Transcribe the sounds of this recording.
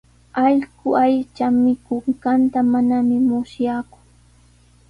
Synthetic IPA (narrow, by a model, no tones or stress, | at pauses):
ɑʎkʊajt͡ʃamɪkʊŋɢant̪amanamɪmʊsjakʊ̥